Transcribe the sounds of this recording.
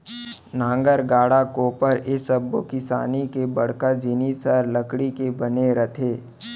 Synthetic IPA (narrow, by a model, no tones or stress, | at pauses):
nãːŋɡəɾɡaːɽakoːpəɾɪsəbːokɪsa̰ːnikebɐɽ̤kad͡ʒɪnisəɾləkɽikebəneɾət̪ʰeː